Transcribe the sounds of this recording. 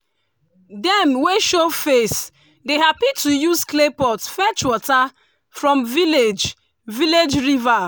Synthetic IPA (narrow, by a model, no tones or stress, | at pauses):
dɛ̃mweʃofes | deɦapitujuzklepɔtfɛt͡ʃwɔta | fɹɔ̃mviled͡ʒ | viled͡ʒɹiva